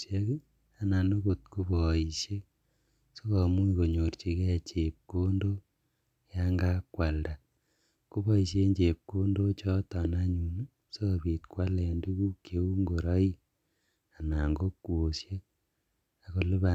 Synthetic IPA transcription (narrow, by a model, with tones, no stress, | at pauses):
se˦ki˦ | a˨na˨no˦ko˨t̚ku˦bɔ˨i˨ʃje˦ | so˦kɔ˨mu˦iko˨ɲo˨rt͡ʃi˨kɛ˦˨t͡ʃe˨p̚ko˦ndo˦ | ja˦ŋɡa˦kwa˨lda˨ | ko˦βɔ˦i˨sje˦ɲd͡ʒe˨p̚ko˦ndo˦t͡ʃɔ˦tɔ˨na˦ɲu˨nu˦ | so˦˨pi˨tkwa˦lɛ˨ndu˦ku˦kje˨u˦ŋɡo˨ɾɔ˦i˦ | a˨na˨ŋɡo˦kwo˨sje˦ | a˨ko˨lɪ˦βa˨